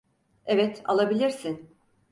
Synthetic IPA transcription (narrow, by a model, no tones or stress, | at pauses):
evɛt̪a̰lˠabilʲiɾsin